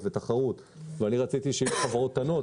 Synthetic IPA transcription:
vet̪aχaʁut̪ | veaniʁat͡sit̪iʃeiʃχavaʁot̪ːano̞

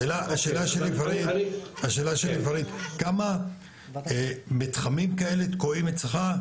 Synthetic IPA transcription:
elaaʃeːlaʃelivaɾit̪aʃeːlaʃelivaɾit̪kama | mit̪χamimkae̞let̪koimett͡sleχa

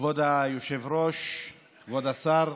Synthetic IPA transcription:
vod̪ajoʃevɾoʃ | χvod̪asaɾ

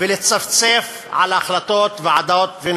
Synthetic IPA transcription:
velet͡saft͡sef | ʕa̰laaxlat̪ot̪veʕad̪aot̪ven

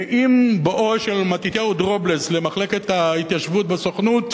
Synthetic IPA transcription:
ʔimbeʔoʃelmat̪it̪jaud̪ʁobleslemaχle̞ke̞t̪hait̪jaʃvut̪̚basoχnut

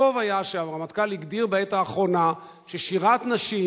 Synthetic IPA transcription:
o̞vajaʃavamat̪kaliɡd̪iʁbeet̪aːχʁo̞na | ʃeʃiʁat̪naʃi

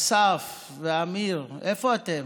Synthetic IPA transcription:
saf | amilɛfɔtɛ

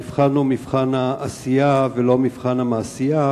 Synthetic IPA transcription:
ifχanumifχanaʔːsijavelomifχanamaːsija

